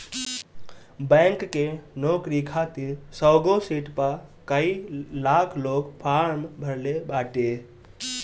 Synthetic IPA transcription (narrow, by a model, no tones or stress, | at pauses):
bɛ̃ŋkːenokɾikʰat̪iɾsəɡosiʈpəkəilakʰloːkpʰaɾmbʱəɾlebaːʈe